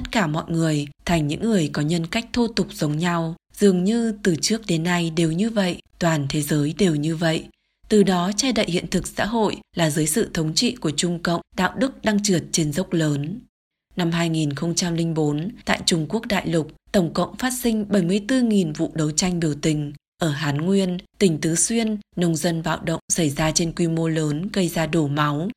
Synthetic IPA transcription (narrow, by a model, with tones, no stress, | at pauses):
t̪ə˦˥t̚kaː˧˩mɔ̰˧˨jŋɨ˨˩əjt̪ʰa˨˩jŋ̟ɲɨ̰˧˥ŋːɨ˨˩əjkɔ˨˦ɲə˧nka˦˥jk̟̚t̪ʰu˧t̪ʊ˨˩k͡p̚z̥ə˨˦wŋ͡mɲa˧wzɨ˨˩əŋɲɨ˧t̪ɨ˨˩t͡ɕɨ˦˥ək̚ɗe˨˦nːa˧jɗe˨˩wɲɨ˧və̰˧˨jʔt̪waː˨˩nt̪ʰe˨˦zəː˨˦jɗe˨˩wɲɨ˧və̰˧˨j | t̪ɨ˨˩ɗɔ˨˦t͡ɕɛ˧ɗə̰˧˨jhḭ˧˨ənt̪ʰɨ˨˩k̚sa̰ː˧˥ɦo̰˧˨jlaː˨˩zɨː˨˦jsɨ̰˧˨t̪ʰə˨˦wŋ͡mt͡ɕḭ˧˨ku˧˩ət͡ɕʊ˧ŋ͡mkə̰˧˨wŋ͡mɗa̰ː˧˨wɗɨ˦˥k̚ɗa˧ŋt͡ɕɨ˨˩ət̚t͡ɕe˧nzə˦˥wk͡p̚ləː˨˦n | na˧mɦaː˧jŋi˨˩nxə˧wŋ͡mt͡ɕa˧mlï˧ŋ̟ɓo˨˦nt̪a̰ː˧˨jt͡ɕʊ˧˩ŋ͡mku˦˥ək̚ɗa̰ː˧˨jlʊ˨˩k͡p̚t̪ə˧˩wŋ͡mkə̰˧˨wŋ͡mfaː˦˥t̚sï˧ŋ̟ɓə˧˩jmɨ˧˩əjt̪ɨ˧ŋi˨˩nvṵ˧˨ɗə˨˦wt͡ɕa˧jŋ̟ɓi˧˩əwt̪ï˨˩ŋ̟ʔəː˧˩ɦaː˨˦nŋwi˧ənt̪ï˧˩ŋ̟t̪ɨ˨˦swi˧ənnə˧wŋ͡mzə˧nɓa̰ː˧˨wɗə̰˧˨wŋ͡msa˧˩jzaː˧t͡ɕe˧nkwi˧mo˧ləː˨˦nɣə˧jzaː˧ɗo˧˩ma˨˦w